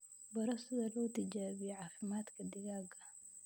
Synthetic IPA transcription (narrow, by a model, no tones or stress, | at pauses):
bɐɾɐsɪðɐlɔːt̪ʰɐd͡ʒaːβɪjɔʕɑːfɪmaːd̪kʰɐd̪ɪɣaːɡɐ